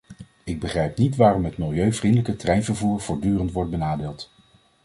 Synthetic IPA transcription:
ɪɡ̚bəχrɛjp̚nitʋaːrɔmɦətmɪlˠjøɥvrindələkətrɛjnvəɹvuːɹv̥ʊːɹdyːrəntʋɔɹt̚bənaːdɪːlˠt

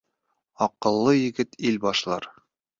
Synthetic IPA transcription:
ɒqɤ̆lˠːɤjɘ̆ɡɘt̪ilbɒʃlˠɑ̰ɾ

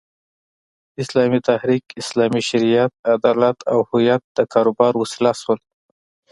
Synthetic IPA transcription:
ɪslɑmit̪ahɾikɪslɑmiʃɪɾijat̪̚ad̪ɑlat̪ʰa̰whʊjat̪̚d̪̥əkʰɑɾobɑɾwʊsɪlaswəl

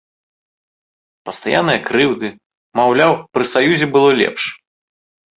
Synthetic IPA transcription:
pɐst̪a̰ja̰nːɨjɐkɾɨwd̪ɨ | mawlʲawpɾɨsajuzʲɛbɨlˠɔlʲɛ̰pʂ

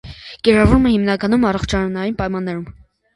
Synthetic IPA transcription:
kɛɾɑvuɾmɛhimnɑkɑnumɑrɔχt͡ʃʰɑɾnɑjinpɑjmɑnːɛɾum

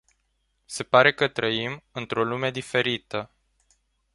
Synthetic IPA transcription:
se̞paɾe̞kət̪ɾəimɨnt̪ɾo̞lume̞d̪ife̞ɾit̪ə

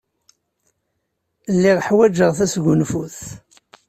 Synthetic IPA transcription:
lːiʁħwæd͡ʒəʁθæsɡʊnfuθ

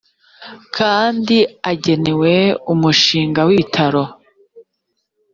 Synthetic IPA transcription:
kʰaːndiaɟe̞ne̞we̞umuʃiːŋɡawiβitʰaɾo̞

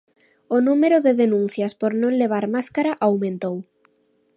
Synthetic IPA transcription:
onumeɾoðeðenũn̟θjaspoɾnõnleβ̞aɾmaskaɾaʔawmẽnt̪ow

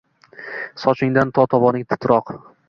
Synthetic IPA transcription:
sɒt͡ʃʰɪŋd̪ant̪ʰɒt̪ʰɒbɒnɪŋʲt̪ʰɪ̥t̪ʰɾɒq

